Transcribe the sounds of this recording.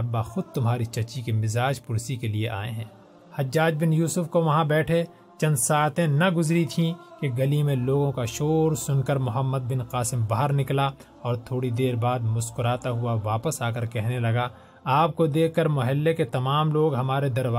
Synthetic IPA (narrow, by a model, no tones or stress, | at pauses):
ɐbːaxʊd̪̚t̪ʊmɦaːɾit͡ʃɐt͡ʃikemɪzaːd͡ʒpʊɾsikelieʔa̰ːẽɦɛ̃ː | hɐd͡ʒːaːd͡ʒbɪnjuːsʊfkoʋɐɦãbɛːʈʰe | t͡ʃɐ̃nd̪saːt̪ẽnɐɡʊzɾit̪ʰĩkeɡɐlimẽloːɡõkaʃoːɾsʊnkəɾmʊɦəmːəd̪̚bɪnqaːsɪmbaɦəɾnɪkla | ɔːɾt̪ʰoːɽid̪eːɾbaːd̪mʊskʊɾaːt̪aɦʊaʋaːpəsaːkəɾkɛɦnelɐɡa | aːp̚kod̪eːkʰkːəɾmʊɦɛlːeket̪ɐmaːmloːɡɦɐmaːɾed̪ɐɾʋa